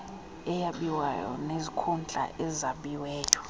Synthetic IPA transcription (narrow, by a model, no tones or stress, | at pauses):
ɛjaɓiwajɔ̰nezikʰund͡ɮʱʼa̰ʔɛzaɓiwɛːjɔ